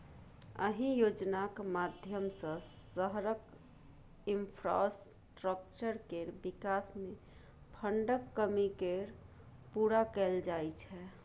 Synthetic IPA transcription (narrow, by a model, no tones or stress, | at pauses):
ə̰ɦĩjod͡ʒnakmad̪ʱjəmsə̃səɦɾək | impʰɾa̰s | ʈɾək̚t͡ʃəɾkeɾbikasmẽ | pʰəɳɖəkːəmikeɾ | puɾakɛld͡ʒajt͡ʃʰɛ